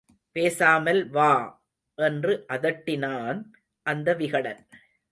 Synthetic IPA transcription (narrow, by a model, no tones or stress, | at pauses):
peːsaːmɐlʋaː | ʔɛndrɯʔɐðɐʈːɪnaːn | ʔɐnd̪ɐʋɪɣɐɽɐ̰n